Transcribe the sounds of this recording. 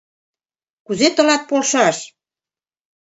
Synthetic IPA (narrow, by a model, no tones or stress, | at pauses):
kuzet̪ɤ̆lɑt̪̚polʃɑʃ